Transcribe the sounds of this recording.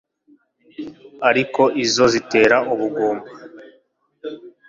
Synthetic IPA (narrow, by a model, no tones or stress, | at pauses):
aɾiko̞ʔizo̞zite̞ːɾaʔuβuɡoːmba